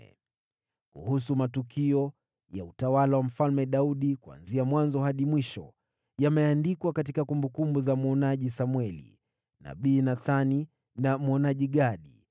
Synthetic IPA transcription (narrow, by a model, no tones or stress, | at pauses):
kṵhusumatukʰiɔ | ja̰utawalawam̩falmɛɗauɗikua̰nziamwanzɔhaɗimwiʃɔ̰ | jamɛandikwakat̬ikakumbukumbuzamɔnaʄisamwɛlḭ | na̰ɓiːnaθani | nam̩ɔnaʄiɠaɗi